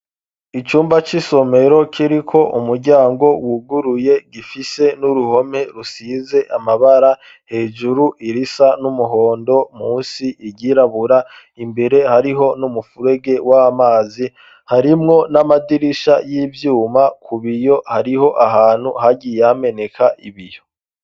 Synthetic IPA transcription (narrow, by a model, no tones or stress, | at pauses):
it͡ʃuːmbat͡ʃiso̞me̞ɾo̞kʰiɾikʰo̞ʔumuɾɟaːŋɡo̞wuɡuɾuje̞ɡifise̞nuɾuho̞me̞ɾusiːze̞ʔamaβaɾa | he̞ːd͡ʒuɾuʔiɾisanumuɦo̞ːndo̞muːnsiʔiɟiɾaβuɾa | imbe̞ɾe̞haɾiɦo̞numufuɾe̞ɡe̞waamaːzi | haɾimŋo̞namadiɾiʃajiːvjuːmakʰuβijo̞haɾiho̞ʔaɦaːn̥huhaɟijame̞ne̞kʰaʔiβijo̞